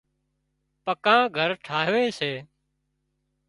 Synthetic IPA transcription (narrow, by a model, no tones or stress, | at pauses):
pəkãːɡʱəɾʈʰaːɦʋẽːseː